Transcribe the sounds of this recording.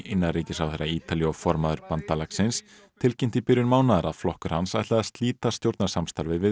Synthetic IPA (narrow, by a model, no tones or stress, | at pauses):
ʔɪnːariːcɪsawθejrːaiːt̪aliɔfɔɾmaðʏɾpant̪alaksɪns | t̪ʰɪlcɪjm̥t̪ɪpɪɾjʏɾmaːwnaðaɾaðflɔhkʏɾ̥hansajht̪laðast̪liːt̪ast̪jowɾt̪nasamst̪aɾvɪvɪ